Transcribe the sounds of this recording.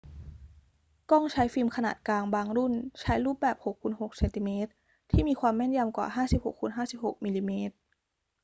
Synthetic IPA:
kɔː˥˩ŋt͡ɕʰa˦˥jfi˧mkʰa˧na̰ː˨˩t̪̚klaː˧ŋbaː˧ŋɾu˥˩nt͡ɕʰa˦˥jɾuː˥˩p̚bɛː˨˩p̚ho˨˩k̚ʰːu˧nɦo˨˩k̚se˧nt̪i˧meː˦˥t̪̚ʰː | iː˥˩miː˧kwaː˧mːɛ˥˩nja˧mkwa̰ː˨˩ɦaː˥˩si˨˩p̚ho̰˨˩k̚ʰːu˧nɦaː˥˩si˨˩p̚ho̰˨˩k̚miː˧liː˧meː˦˥t̪̚

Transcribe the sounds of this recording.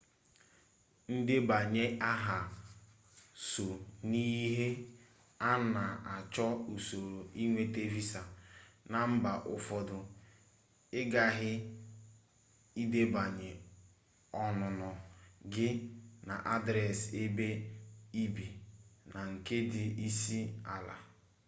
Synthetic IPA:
n̩˦dɪ˦ba˨ɲe˦a˦ɦa˨ | so˨ni˦ɦe˦ | a˦na˨a˨t͡ʃɔ˦u˨so˨ɾo˨i˦ŋʷe˨te˦vi˦sa˨na˨m̩˦ba˨ʔʊ˨fɔ˨dʊ˨ | ɪ˦ɡa˦˨ɦɪ˦ | i˦de˦ba˨ɲe˨ | ɔ˨nʊ˨nɔ˨ɡɪ˦na̰˨ʔa˦dɾɛ˨se˦be˦i˦bi˨na˨ŋ̩˨ke˦dɪ˨i˦si˦a˨la̰˨

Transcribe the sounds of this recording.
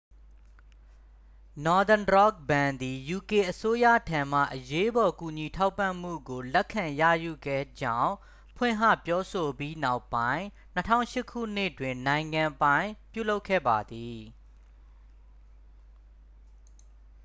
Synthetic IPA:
nɔ˨d̪ã˨nɾɹɔ˦˨k̚bã˨nd̪i˨ju˨ke˨ʔəso˦jä̰˦˨tʰã˨m̥ä̰˦˨ʔəje˦bɔ˨ku˨ɲi˨tʰa˦ʊpã˦˨m̥ṵ˦˨ɡo˨lɛ˦ʔkʰːã˨jä̰˦˨ju˨ɡɛ̰˦˨d͡ʑã̰˦˨ʊ̃ | pʰwɪ̰̃˦˨ɦä̰˦˨pjɔ˦so˨bji˦na˦ʊpːã˦ɪ̃ | n̥ətʰã̰˦˨ʊ̃ʃɪ˦kʰṵ˦˨n̥ɪ̰˦ʔdwɪ̃˨nã˨ɪ̃ŋɡã˨pã˦ɪ̃pjṵ˦˨lo˦ʊkʰːɛ̰˦˨ba˨d̪i˨

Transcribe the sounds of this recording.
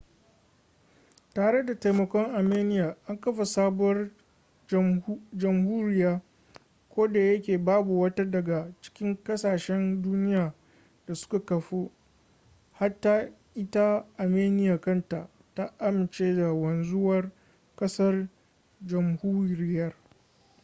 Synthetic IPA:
taː˨ɽe˦da˨ta˨jmɐ˨kʷɔ˦ŋʔa˨meː˦nɪ˦jaː˨ʔa˦ŋkɐ˦ɸa˨saː˦bɐ˦r | d͡ʒɐ˨mhuː˦ɾɪ˦jaː˦ | kʷoː˦da˨jɐ˦kʲeː˨baː˦bu˨wɐ˦ta˦dɐ˨ɡa˨t͡ʃɪ̥˦kʲɪ˦ŋkɐ˦saː˨ʃɛ˦nduː˦nɪ˦jaː˨ | d̥a˨sʊ̥˦ka˨kɐ˨ɸu˦ | ha˦tːa˦ʔɪ˦ta˦ʔa˨meː˦nɪ˦ja˨kɐ˦nta˨ʔ | ta˦ʔa˦mɪ˨t͡ʃeː˦da˨wɐ˨nzʊ˦wɐ˦r | kɐ˦sɐ˦r | d͡ʒɐ˨mhuː˦ɾɪ˦jɐ˦r

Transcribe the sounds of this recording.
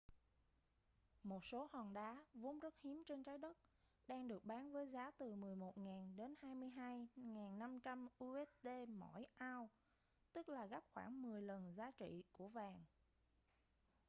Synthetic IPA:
mo˨˩t̚so˨˦haː˨˩nɗaː˨˦vo˨˦nzə˦˥t̚hi˨˦əmt͡ɕe˧nt͡ɕaː˨˦jɗə˦˥t̚ | ɗaː˧ŋɗɨ˨˩ək̚ɓaː˨˦nvəː˨˦jzaː˨˦t̪ɨ˨˩mɨ˨˩əjmo˨˩t̚ŋaː˨˩nɗe˨˦nhaː˧jmɨ˧əjɦaː˧jŋaː˨˩nːa˧mt͡ɕa˧mʔu˧ʔɛ˦˥t̚ɗ̪e˧mɔ˧˩˨jʔaː˧w | t̪ɨ˦˥k̚laː˨˩ɣa˦˥p̚xwaː˧˩ŋmɨ˨˩əjlə˨˩nzaː˨˦t͡ɕḭ˧˨ku˧˩əvaː˨˩ŋ

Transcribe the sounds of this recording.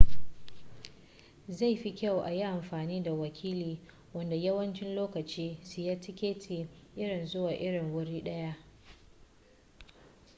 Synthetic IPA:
za˦˨jɸi˦kʲa˦˨wʔa˨ji˦ʔa˨mɸaː˨niː˦da˨wɐ˨kʲʰiː˦liː˨ | wɐ˦nda˨jɐ˦wɐ˦nt͡ʃɪ˦nloː˦kɐ˨t͡ʃiː˦sʊ˨jaː˦tɪ˦kʲeː˦tʰi˨ʔɪ˦ɽɪ˨nzʊ˦waː˨ʔɪ˦ɽɪ˨ŋwʊ˦ɽiː˦ɗɐ˦ja˦ʔ

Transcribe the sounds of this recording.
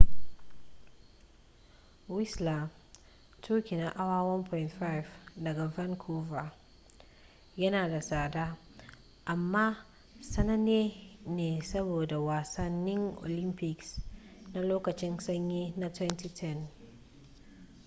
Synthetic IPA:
wɪ˦sla˨ | tʰuː˦kʲi˨na˦ʔa˦waː˦wɐ˦npʰɔ˦˨ɪ˨ntfa˦jvdɐ˨ɡa˨va˦ŋkʰu˦va˨ | jɐ˦naː˨da˨saː˨daː˦ | ʔa˨mːaː˦ | sɐ˦nɐ˦neː˦neː˨sɐ˦boː˨da˨waː˨sɐ˦nːɪ˦ŋʔo̰˨lɪ˦mpɪ˨ksna˦loː˦kɐ˨t͡ʃɪ˦nsɐ˦ɲjiː˦na˦twɛ˦nti˦tʰɛ˦˨n

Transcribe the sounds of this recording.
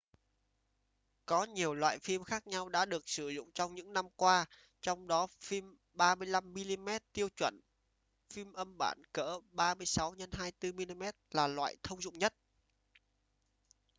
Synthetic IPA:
kɔ˨˦ɲi˨˩əwlwa̰ː˧˨jfi˧mxaː˦˥k̚ɲa˧wɗa̰ː˧˥ɗɨ˨˩ək̚sɨ˧˩zʊ̰˧˨ŋ͡mt͡ɕɔ˧wŋ͡mɲɨ̰˧˥ŋna˧mkwaː˧ | t͡ɕɔ˧wŋ͡mɗɔ˨˦fi˧m | ɓaː˧mɨ˧əjla˧mːi˧li˧mɛ˦˥t̚t̪i˧əwt͡ɕwə̰˧˩n | fi˧mʔə˧mɓa̰ː˧˩nkə̰ː˧˥ɓaː˧mɨ˧əjsa˨˦wɲə˧nɦaː˧jt̪ɨ˧mi˧li˧mɛ˦˥t̚laː˨˩lwa̰ː˧˨jt̪ʰə˧wŋ͡mzʊ̰˧˨ŋ͡mɲə˦˥t̚

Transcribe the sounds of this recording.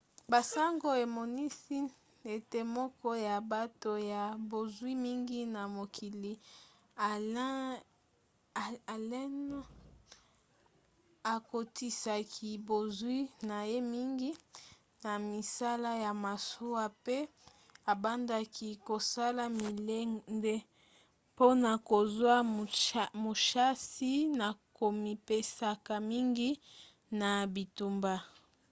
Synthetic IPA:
ba˨sa˦ŋɡo˦e˨mɔ˨ni˦si˦ | e˨te˦mɔ˦kɔ˦ja˨ba˨to˨ja˨bo˨zwi˦mi˦ŋɡi˦na˨mo˨kʰi˨li˨˦˨ | lɛ˦n˦ | a˨ko˨ti˨sa˨kʰi˨bo˨zwi˦na˨je˦mi˦ŋɡi˦ | na˨mi˨sa˦la˦ja˨ma˨so˦wa˦pe˦ | a˨ba˦nda˨ki˨ko˨sa˦la˦mi˨le˦de˦ | po˦na˨ko˨zwa˦˨mo˨ʃa˦si˦na˨ko˨mi˨pe˦sa˨ka˨mi˦ŋɡi˦ | na˨bi˨tu˨mba˦

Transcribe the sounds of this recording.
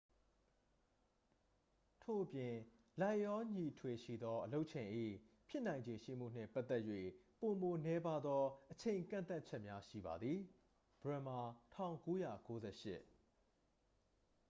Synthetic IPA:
tʰo˦˨ʔəpjɪ̃˨ | lã˦˨ɪjɔ˦ɲi˨tʰwe˨ʃḭ˦˨d̪ɔ˦ʔəlo˦ʔt͡ɕʰẽ˨ɪ̃ʔḭ˦˨ | pʰjɪ˦ʔnã˨ɪ̃ɲd͡ʑẽ˨ʃḭ˦˨m̥ṵ˦˨n̥ɪ̰̃˦˨pa˦t̪ɛ˦ʔjwḛ˦˨po˨mo˨nɛ˦pa˦d̪ɔ˦ʔət͡ɕʰẽ˨ɪ̃ŋkã˦˨nt̪a˦tt͡ɕʰɛ˦ʔmja˦ʃḭ˦˨ba˨d̪ði˨ | b̥əɹɪ̃˨ma˨tʰã˦˨ʊ̃ŋko˦jä̰˦˨ko˦zɛ̰˦˨ʃɪ̰˦ʔ

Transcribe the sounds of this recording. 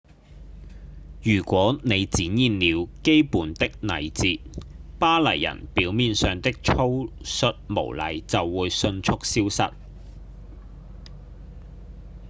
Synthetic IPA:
jyː˨˩kʷɔː˨˥ne˨˧jt͡siː˨˥njiː˨nliː˨˧wke˥jpuː˨˥nt̪ɪ˥k̚nɐ˨˧jt͡siː˨paː˥lɐ̰˨˩jːɐ̰˨˩npiː˨˥wmiː˨nsœː˨ŋt̪ɪ˥k̚t͡ʃʰo˥wsɵ˨t̚mo̰˨˩wlɐ̰˨˥jt͡sɐ˨wːuː˨˧jsɵ˧nt͡ʃʰʊ˥k̚siː˥wsɐ̰˥t̚

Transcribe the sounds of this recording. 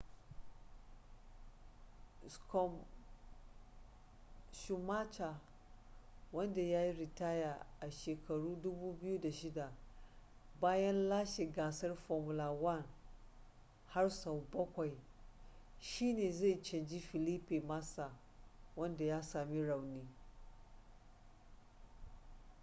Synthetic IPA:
skɔ˦m | ʃu˨maː˦t͡ʃa˨ | wɐ˦nda˨jaː˦ji˦ɾi˨taː˦ja˨ʔa˨ʃeː˨kɐ˨ɽuː˦dʊ˦buː˦bɪ˦ju˦da˨ʃɪ˦da˨ | baː˦jɐ˦nlaː˦ʃe˨ɡaː˨sɐ˦rɸɔ˨mʊ˨laː˨wɐ˦˨n | ha˦rsa˨wbɐ˦kʷa˨j | ʃiː˦neː˨za˦˨jt͡ʃɐ˨nd͡ʒi˦ɸɪ˨li˦pːe˨ma˦sa˨ | wɐ˦nda˨jaː˦saː˨mi˦ɽa˨wniː˦

